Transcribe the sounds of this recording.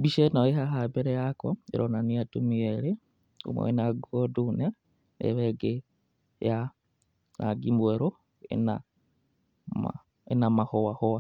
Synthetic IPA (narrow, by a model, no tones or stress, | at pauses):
biʃenoeɦaɦabeɾejakoḛɾʔonaniatumiele | ṵmo̰enaɡodune | nḛβeɡe | ja | na̰ɡimbweɾo | ḛna | m̰ | enamahowahowa